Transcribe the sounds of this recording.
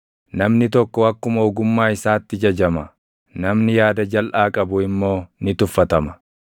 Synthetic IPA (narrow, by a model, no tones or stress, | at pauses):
nɐmnɪt̪ɔkːɔwɐkːʊmoːɡʊmːaːɪsaːt̪ːɪd͡ʒɐd͡ʒɐmɐ | nɐmnɪjaːd̪ɐd͡ʒɐlʔaːkʼɐbʊɪmːo̞ːnɪt̪ʊfːɐt̪ɐmɐ̥